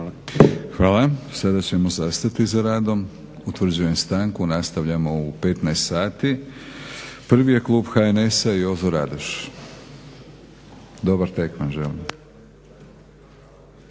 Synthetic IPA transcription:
xʋaːlasad̪at͡ɕe̞mo̞zast̪at̪izaɾaːd̪o̞m | ut̪ʋr̩d͡ʑuje̞mst̪aŋkunast̪aʋʎamo̞upe̞t̪najst̪saːt̪i | pr̩ʋije̞klˠuːbxaenesaio̞zoɾa̰d̪oʃ | d̪o̞baɾt̪ekmanʒelim

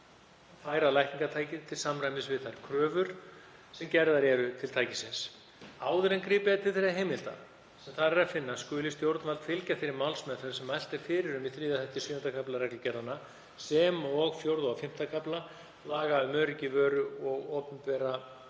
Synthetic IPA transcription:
faːjɾalajht̪niŋkat̪ʰaːjcɪt̪ʰɪlsamrajmɪsvɪðθajɾ̥kʰɾœːvʏɾ̥ | sɛmcɛɾðaɾɛɾʏt̪ʰɪlt̪ʰaːjcɪsɪns | aːwðʏɾɛnkɾiːpɪðat̪ʰɪlθejɾaɦejmɪlt̪a̰ | sɛmθaɾɛɾafɪnːaskʏːlɪst̪jowɾt̪nvalt̪fɪlcafɪɾɪɾmawlsmɛθʏɾsɛmajl̥t̪ɪɾ̥fɪːɾɪɾʏmiθɾiːðaθɛhc̪ɪsʏːʏnakʰaplaɾɛklʏcɛɾðanːa | sɛmɔɣfjowɾðʏawfɪm̥t̪akʰapla | laːɣaʏmœːɾɪcɪvœːɾʏɔɣɔːpʏmpɛɾa

